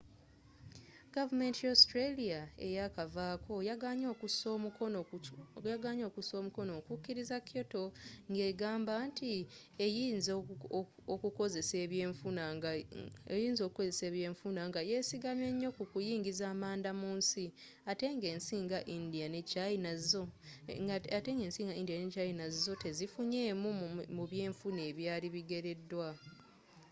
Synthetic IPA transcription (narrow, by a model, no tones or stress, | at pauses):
ɡ̥avume̞ntiostɾeliae̞̰jakavaːkʰo̞jaɲoso | jaɡaːɲo̞ːkuso̞ːmuko̞no̞ːkukːiɾizakʰo̞to̞ŋɡe̞ːɡaːmbantʰi | ejiːnz | okukozeseβu | ejiːnzo̞ːkuko̞ze̞se̞ːβje̞ːɱfunaŋɡaje̞siɡamje̞ɲːo̞kukujiːŋɡizaːmaːndamuːnsi | ate̞ːŋɡe̞ːnsiːŋɡaʔindijanecajinazzo | te̞ːŋɡe̞ːnsiːŋɡaindijanecajinazizo̞te̞zifuɲe̞ːmumuβjeːɱfune̞ːβjaːliβiɡe̞ɾe̞dːwa